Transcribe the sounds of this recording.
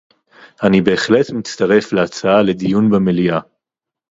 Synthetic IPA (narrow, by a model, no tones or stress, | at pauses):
anibe̞ːχle̞tmit͡staʁe̞fleat͡saale̞dijunbemelia